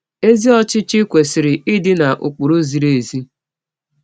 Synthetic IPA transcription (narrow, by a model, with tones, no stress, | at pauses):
e˦zi˦ɔ˦t͡ʃɪ˦t͡ʃɪ˦kʷe˨sɪ˨ɾɪ˨ɪ˦dɪ˦na˨ʔʊ˨k͡pʊ˨ɾo˦zi˨ɾe˨zi˦